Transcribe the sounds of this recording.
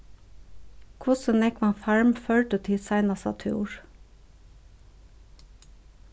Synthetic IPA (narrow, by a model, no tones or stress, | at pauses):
kʰʊsənɛkʋɑːfæɹmføːlʈət̪ʰɪsæɪnɑsɑ̰t̪ʰṵːɹ